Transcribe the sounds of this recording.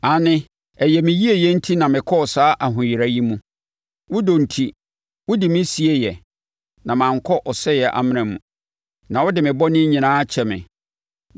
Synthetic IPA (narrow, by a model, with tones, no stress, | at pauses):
a˨nɪ̃˦ | ɛ˨jɛ˨mɪ̃˨ji˦e˦jɛ˦n̩˦tʰi˦nã˨mɪ̃˨kʰɔ˦ɔ˨saː˦ʔa˨ɦʊ̃˨ji˨ɾa˨ji˦mũ˦ | wʊ˦do˨n̩˨tʰi˦ | wʊ˦dɪ˨mɪ̃˦si˨e˦jɛ˨ | nã˨mãː˨ŋ˨kʰɔ˦ʔɔ˨sɛ˦jɛ˨ʔa̰˨mɪ̃˦ɾɪ̃˨mṵ̃˨ | nã˨wɔ˦dɪ˨mɪ̃˨bɔ˦nɪ̃˦ɲĩ˨nãː˦t͡ɕʰɛ˨mɪ̰̃˨